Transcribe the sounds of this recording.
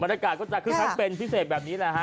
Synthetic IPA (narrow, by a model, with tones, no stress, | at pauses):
ba˧nja˧kaː˨˩t̪̚kɔː˥˩t͡ɕa˨kʰɯː˧tʰa˦˥wpe˧npʰi˦˥seː˨˩t̪̚bɛː˨˩niː˦˥la˨˩kʰa˦˥